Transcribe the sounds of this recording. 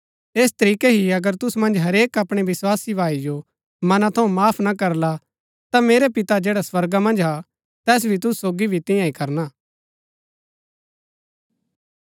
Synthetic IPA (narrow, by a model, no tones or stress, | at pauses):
eːst̪ɐɾiːkeɦiɐɡəɾt̪ʊsumɐ̃nd͡ʒɦɐɾeːkɐpɽ̃eʋɪswaːsibʱaːid͡ʒo | mɐnãt̪ʰɐũmaːpʰnakɐɾla | t̪ameːɾepɪt̪ad͡ʒeːɽaswɐɾɡamɐ̃nd͡ʒɦa | t̪ɛːs̬bʱit̪ʊsusoːɡibʱit̪ɪ̃jãikɐɾnaː